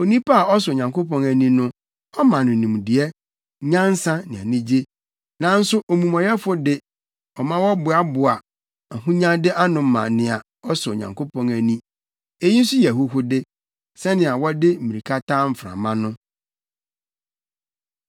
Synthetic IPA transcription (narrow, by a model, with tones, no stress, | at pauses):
o˨nĩ˦pʰa˦a˨ɔ˦s̬ʊ˨o˨ɲã˨ŋko˦pɔ̃˦ŋæ˨nĩ˦nʊ̃˦ | ɔ˦mã˨nʊ̃˨nũ˨m˨dɪ˨ɛ˦ | ɲã˦n˦sã˦nɪ̃˨a̰˨nĩ˦d͡ʑe˦ | nã˨n̩˦sʊ˦ʔo˨mũ˨mɔ̃˨jɛ˦fʊ˦dɪ˦ | ɔ˨mã˦wɔ˦bʊ˨a˦bʊ˨a˨ | a˨ɦũ˦ɲã˦dɪ˦ʔa˦nʊ̃˨˦mã̰˨nɪ̃˨a˨ | ɔ˦so˨ɲã̰˨ŋko˦pʰɔ̃˦ŋæ˨nĩ˦ | e˦ji˦n̩˦sʊ˦jɛ˨ɦʊ˦ɦʊ˦dɪ˦ | sɛ˦nɪ̃˨a˨wɔ˦dɪ˦m̩˦mĩ˨ɾi˨kʰa˦tã˦m̩˨fɾã̰˨mã˦nʊ̃˦